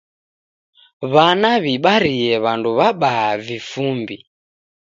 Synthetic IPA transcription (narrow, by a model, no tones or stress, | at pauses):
βanaβiɓaɾiɛβanduβaɓaːvifumbi